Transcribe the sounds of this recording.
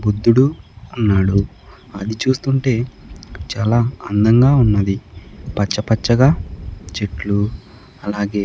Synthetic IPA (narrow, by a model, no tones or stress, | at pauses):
bud̪ːuɽuɐnːaːɽu | ɐd̪it͡ʃuːst̪uɳʈe̞ːt͡ʃaːlaːɐnd̪ɐŋɡaːunːɐd̪ipɐt͡ʃːɐpɐt͡ʃːɐɡaːt͡ʃeʈlu | ɐlaːɡe̞ː